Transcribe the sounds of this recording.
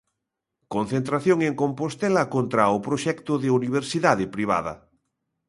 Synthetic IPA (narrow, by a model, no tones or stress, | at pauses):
kõn̟θent̪ɾaθjoŋeŋkompost̪ɛlɐkont̪ɾaʊpɾoʃɛkt̪ʊðɪuniβ̞eɾsiðaðɪpɾiβ̞a̰ðɐ̰